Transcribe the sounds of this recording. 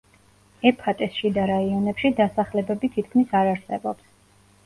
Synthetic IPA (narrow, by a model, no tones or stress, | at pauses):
ɛpʰat̪ʼɛsʃid̪aɾaiɔnɛpʃid̪asaχlɛbɛbit̪ʰit̪̚ʰkʰmisaɾaɾsɛbɔps